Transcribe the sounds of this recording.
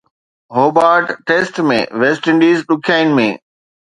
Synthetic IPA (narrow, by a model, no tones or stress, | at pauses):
ɦoːbaːɾʈʈeːsʈmḛ̃ʋesʈɪ̃ɳɖiːzɗʊkʰijaːɪnɪ̆mḛ̃ː